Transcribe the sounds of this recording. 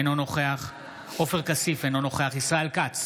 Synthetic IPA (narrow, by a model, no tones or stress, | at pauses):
enono̞χeaχ | o̞feʁkasifeno̞noχe̞aχisʁaelkat͡s